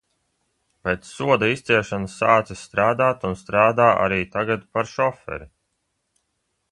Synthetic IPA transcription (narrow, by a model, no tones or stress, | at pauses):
pet̪ssuɔd̪aist̪siɛɾʃanasːaːt̪sisst̪ɾaːd̪aːt̪unst̪ɾaːd̪aːʔa̰ɾiːt̪aɡat̪paɾʃɔfɛ̰ɾi